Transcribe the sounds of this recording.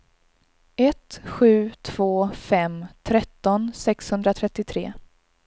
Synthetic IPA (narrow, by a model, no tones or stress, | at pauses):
ɛt̪ɧʉ̟ːt̪ʰv̥oːfɛmt̪ʰɾɛt̪ːɔnsɛkshɵnd̪ɾat̪ʰɾɛt̪ːɪt̪ʰɾeː